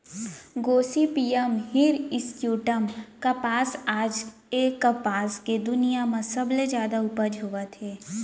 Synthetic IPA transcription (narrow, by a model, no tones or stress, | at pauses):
ɡoːsipiːəmɦiɾɪsʈjuːʈəmkɐpaːsaːd͡ʒ | ekɐpaːsked̪ʊnijamãsɐbled͡ʒjaːd̪aʊpəd͡ʒʱɦoːʋət̪ʰeː